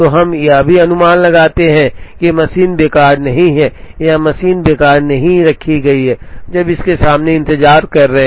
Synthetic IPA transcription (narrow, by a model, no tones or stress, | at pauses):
t̪oɦɐmjabʱiɐnʊmaːnlɐɡaːt̪eɦɛ̃kemɐsiːnbeːkaːɾnɐɦĩɦɛ̃ːjamɐsiːnbeːkaːɾnɐɦĩɾɐkʰiɡɐiɦɛːd͡ʒɐbɪskesaːmneɪ̃nt̪ɪzaːɾkɐɾːɐɦɛ̃